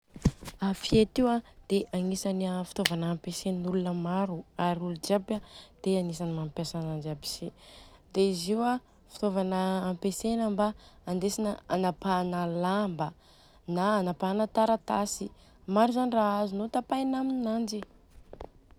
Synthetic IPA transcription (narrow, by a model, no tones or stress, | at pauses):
afiet̪iwad̪̥eʔaŋisaniafi̥t̪ovanəːmpesennulunəmaɾuaɾiulud͡ʒapad̪̥eaŋisanimampjasanand͡ʒabi̥sed̪̥eiziwa | fi̥t̪ovanəːmpesenəmbaːnd̪esinəanapanəlambə | naːnapanət̪aɾat̪asi | maɾuzaniraazunot̪apajnamininand͡ʒi